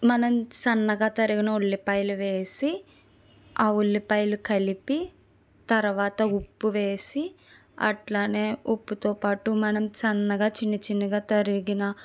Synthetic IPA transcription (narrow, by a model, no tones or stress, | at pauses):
mɐnɐmt͡ʃɐnːɐɡaːt̪ɐɾiɡinɐuɭːipɐjluʋe̞ːsi | aːuɭːipɐjlukɐlipi | t̪ɐɾuʋaːt̪ɐupːuʋeːsi | ɐ̰ʈlaːne̞ːupːut̪oːpaːʈumɐnɐmt͡ʃɐnːɐɡaːt͡ʃinːɐt͡ʃinːɐɡaːt̪ɐɾiɡinɐ